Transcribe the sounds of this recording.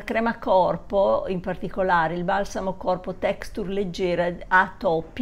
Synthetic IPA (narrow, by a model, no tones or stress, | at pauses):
kɾɛmakɔrpoimpart̪ikolaːɾeilbalsamokɔrpot̪ɛkst̪urled͡ʒːeːɾaat̪ːɔpː